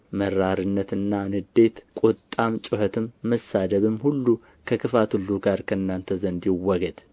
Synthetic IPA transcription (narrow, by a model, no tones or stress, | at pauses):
məɾːaɾɨnːət̪ɨnːanɨd̪e̞t̪kʼot̪ʼːamt͡ʃʼʊhət̪ʰɨmːəsːad̪əβɨmːhulːu | kʰəkʰɨfat̪hulːuɡaɾkʰəɨnːant̪ʰəzənd̪jɪwɔɡəd̪